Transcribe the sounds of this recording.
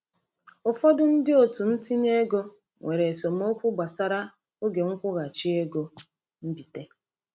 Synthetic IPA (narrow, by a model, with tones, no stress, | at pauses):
ʊ˨fɔ˦dʊ˦n̩˦dɪ˦o˨tu˨n̩˦ti˦ɲe˦ɡo˦ | ŋʷʔe˨ɾe˨so˨m˦o˦kʷu˦ɡ͡ba˨sa˦ɾa˦ | o˦ɡe˨ŋ̩˦kʷʊ˦ɣa˨t͡ʃi˦e˦ɡo˨ | m̩˦bi˨te˦